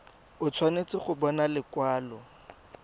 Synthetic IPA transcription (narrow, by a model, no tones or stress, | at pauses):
ʊt͡sʰwanet͡sʼɪχʊbɔnalɪkwaːlɔ